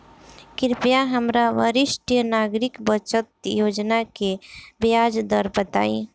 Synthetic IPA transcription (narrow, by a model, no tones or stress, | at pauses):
kɪɾpjaɦəmɾaʋəɾɪʃʈjənaɡɾɪkbət͡ʃət̪̚joːd͡ʒnakebjad͡ʒd̪əɾbət̪a̰ːi